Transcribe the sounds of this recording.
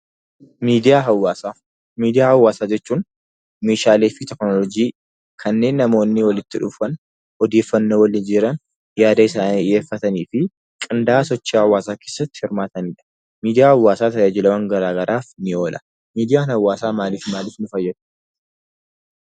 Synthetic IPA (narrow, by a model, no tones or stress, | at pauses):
miːd̪ɪjaːɦɐwaːsaː | miːd̪ɪjaːhɐwːaːsaːd͡ʒɛt͡ʃːuːn | meːʃaːleːfɪt̪ɛknɔlɔd͡ʒiː | kʰɐnːe̞ːnːɐmo̞ːnːɪwɐlɪt̪ːɪᶑʊfɐn | ɔd̪e̞ːfːɐnːwɐlɪd͡ʒɪɾɐn | jaːd̪ɐɪsaːniɪje̞ːfːɐt̪ɐniːfɪ | kʼɪnd̪aːsɔt͡ʃːihɐwːaːsaːke̞ːsɐt̪ːɪ̥hɪɾmaːt̪ɐnɪᶑɐ̥ | miːd̪ɪjaːhɐwːaːsaːt̪ɐjaːd͡ʒɪlɐwɐŋɡɐɾaːɡɐɾʔaːfnɪo̞ːlʔɐ̥ | miːd̪ɪjaːnhɐwːaːsaːmaːlɪfmaːlɪfnʊfɐjːɛd̪ʊ̥